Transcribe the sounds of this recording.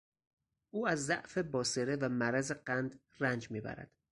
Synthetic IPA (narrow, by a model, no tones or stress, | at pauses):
ʔuːæzːæʔfe̞bɒːseɾevæmæɾæzeɢænd̪ | rænd͡ʒmiːbæ̰ɾæ̰d̪̥